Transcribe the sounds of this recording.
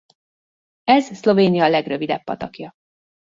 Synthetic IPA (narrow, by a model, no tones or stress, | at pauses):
ɛzslo̞veːnijɒːlɛɡrøvid̪ɛpːɒ̰t̪ɒkjɒ